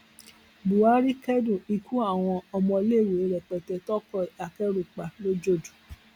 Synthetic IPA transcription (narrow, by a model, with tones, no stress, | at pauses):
bu˨wa˦ɾi˦kɛ˦dũ˦˨i˧ku˦a˦˨w̃ɔ̃˧ɔ˧mɔ̃˧le˦˨we˨e˨˦ɾɛ˨k͡pɛ˨tɛ˧tɔ˦kɔ˦˨a˨kɛ˦ɾu˨k͡pa˨lo˦d͡ʒo˦˨du˨